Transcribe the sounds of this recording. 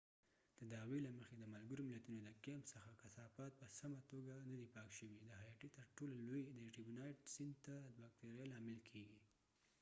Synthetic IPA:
d̪̥əd̪ɑwelaməxed̪əmalɡaɾomɪlat̪unod̪əkempsəxakasɑfɑt̪̚pəsamat̪oɡanad̪ipɑkʃəwid̪əhajɑʈit̪əɾʈololojd̪əʈibunɑjʈsɪnd̪̚t̪ad̪bɑk̚t̪eɾjalɑmɪlkʰeɡi

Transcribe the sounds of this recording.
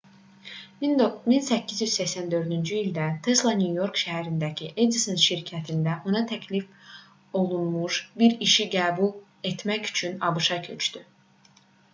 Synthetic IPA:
minminsæcʰːizjyz̥sæçsænd̪ø̞ɾd̪ynd͡ʒyild̪æt̪ʰeslˠɑnʲjujo̞ɾkʃæɦæɾind̪æcʰiʔed̪isɯnʃiɾcʰæt̪ʰind̪æʔonɑt̪ʰæcʰlif | o̞lˠunmuʃbiɾiʃiɡæːbulˠ | e̞t̪mæcy̥t͡ʃʰynɑbɯʃɑcʰøt͡ʃt̪y

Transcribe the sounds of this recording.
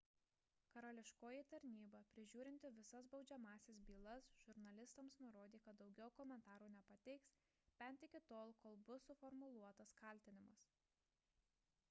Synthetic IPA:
kɐɾɐlʲɪʃkoːjit̪ɐɾʲnʲiːbɐpʲɾʲɪʒʲuːɾʲɪnʲt̪ʲɪʋʲɪsɐsbɒʊd͡ʒʲɛmɑːsʲes̬bʲiːlˠɐsʒ̥ʊɾnɐlʲɪst̪ɐmsnʊɾoːd̪ʲiːkɐt̪̚d̪ɒʊɡʲɛʊkɔmʲɛnt̪ɑːɾuːnʲɛpɐt̪ʲɛɪks | bʲɛnʲˑt̪ʲɪkʲɪt̪oːlˠkoːlˠbʊsʊfɔɾmʊlˠuɔt̪ɐskɐlʲt̪ʲɪnʲɪmɐs

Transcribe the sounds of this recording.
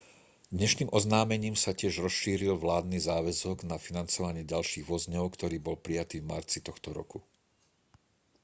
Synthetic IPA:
d̪ɲɛʃniːmʔɔznaːmɛɲiːmsacɪɛʒɾɔsʃiːɾilʋlaːd̪nizaːʋɛzɔɡnafinant͡sɔʋaɲɪɛɟalʃiːɣʋɔzɲɔʊkt̪ɔɾiːbɔlpɾijat̪iːvmaɾt͡sit̪ɔxt̪ɔɾɔ̰ku

